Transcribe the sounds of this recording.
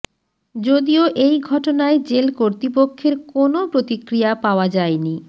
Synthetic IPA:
d͡ʑod̪ioʔejɡʱɔʈonaed͡ʑelkoɾt̪ip̬okʰːeɾkonopɾot̪ikɾijapaoad͡ʑaeni

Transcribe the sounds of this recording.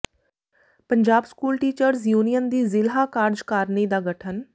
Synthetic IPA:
pəɲd͡ʒaːbskuːlʈiːt͡ʃəɾzjuːnijənd̪iːzɪlɦaːkaːɾd͡ʒkaːɾniːd̪aːɡəʈʰən

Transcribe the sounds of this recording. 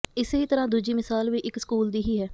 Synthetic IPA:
ɪsɦiːt̪əɾãːd̪uːd͡ʒiːmɪsaːlʋiːʔɪksə̥kuːld̪iːɦiːɦɛː

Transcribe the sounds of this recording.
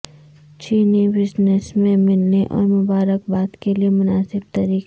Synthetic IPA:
t͡ʃiːnibɪd͡ʒnəsmẽmɪlneʔɔ̰ːɾmʊbaːɾəkbaːt̪keliemʊnaːsɪb̚t̪ɐɾiːk

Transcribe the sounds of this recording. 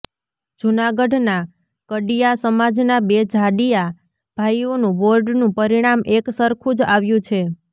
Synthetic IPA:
d͡ʒunaɡəɖna | kəɖijasəmad͡ʒnabed͡ʒʱaɖija | b̥ʱaionũʋoɾɖnũpəɾiɽ̃amʔeksəɾkʰũd͡ʒaʋjũt͡ʃʰe

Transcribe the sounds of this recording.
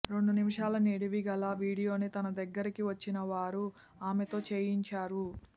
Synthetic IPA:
ɾe̞ɳɖunimiʂaːlɐneːɽiʋiɡɐlaːʋiːɽijo̞ːnit̪ɐnɐd̪ɐɡːɐɾikiʋɐt͡ʃːinɐʋaːɾu | aːmet̪o̞ːt͡ʃeːjiɲt͡ʃaːɾu

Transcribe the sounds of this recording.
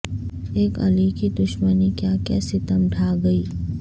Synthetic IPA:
eːkɐ̰likid̪ʊʃmənikjaːkɛ̰ːsit̪əmɖʰʱaːɡɐiː

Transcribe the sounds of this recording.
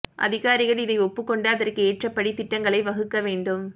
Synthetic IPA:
ʔɐ̰ðɪɣaːɾɪɣɐɭɪðɐɪɔpːɯkːɔɳɖaɐðɐrkɯeːʈrɐpːɐɽit̪ːɪʈːɐŋɡɐɭɐɪʋɐɣɯkːɐʋeːɳɖɯm

